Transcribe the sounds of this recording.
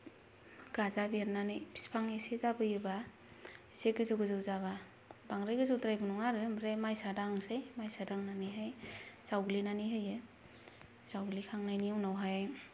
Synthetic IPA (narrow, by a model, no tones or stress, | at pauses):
ɡ̥azabiaɾnanɯjpʰi̥spʰaŋesezabɯjɯba | iseɡɯzɯɡɯzɯwzaba | baŋɾɯjɡɯzɯwtɾajbɯnuŋaɾɯmɾemajsadaŋsejmajsadaŋnanɯɦajzawɡlinaniɦɯjɯ | zawɡlikʰaŋnajniawnawɦaj